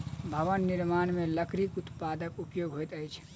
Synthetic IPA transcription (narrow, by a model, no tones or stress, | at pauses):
bʱəʋənːiɾmaːnmeləkɾikut̪paːd̪əkupjoɡɦojt̪əjt͡ʃʰ